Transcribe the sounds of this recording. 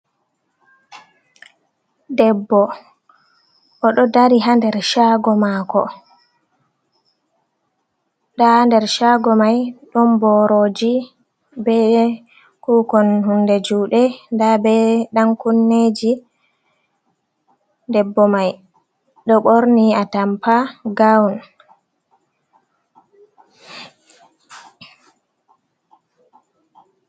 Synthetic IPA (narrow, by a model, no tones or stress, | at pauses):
dɛbːɔ | ʔɔɗɔdaɾiɦandɛɾʃaːɡɔmakɔ̰ | ɗahandɛɾʃaɡɔmajɗɔmbɔɾod͡ʒi | bɛ | kuːkɔnhundɛd͡ʒuːɗɛndabɛɗaŋkunːed͡ʒi | ndɛbːɔmaj | ɗɔɓoɾniatampaɡawn